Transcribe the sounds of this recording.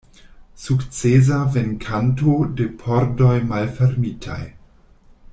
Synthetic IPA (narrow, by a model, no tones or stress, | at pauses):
sukt͡sez̬avenkʰantode̞pʰoɾdojmalfeɾmitʰa̰j